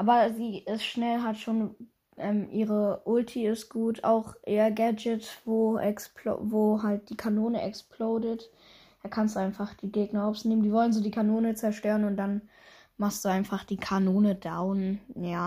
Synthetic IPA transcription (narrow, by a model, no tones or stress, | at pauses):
ʔaːbɐziːɪstʃnɛlɦatʃoːn | ʔɛːmʔiːʁəʔʊltʰiɪstɡ̥uːtʰa̰ʊxʔeːɐɡad͡ʒɪtv̥oːʔɛ̰kspʰlo̰voːɦalt̚d̥iːkʰanoːnəʔɛksploːdət | d̥aːkʰanstd̥uaɪnfaχd̥iːɡeːɡnɐɔfsneːməndiːvɔlənzoːdiːkʰanoːnət͡sɛɐʃtøːʁənʊntd̥an | maχst̚d̥uːaɪnfaχd̥iːkʰanoːnəd̥aʊnjaː